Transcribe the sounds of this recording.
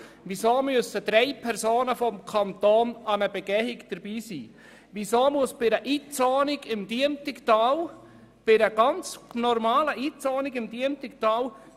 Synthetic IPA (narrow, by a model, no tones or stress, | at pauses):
ʋisoːmøəsəd̥̪ɾɛɪpʰɛɾsoːnəfɔmkʰɑnt̪oːnɑnəbɛɡ̥ɛhɪkd̥əɾbiːsiː | ʋisoːmuəsb̥ɪɾəʔiːt͡soːnɪɡɪmd̥̪iəntɪkt̪ɑːw | b̥ɪɾəɡ̥ɑnt͡snɔɾmɑːləʔiːt͡sɔːnɪɡɪmd̪iəntɪk̚t̪ɑːw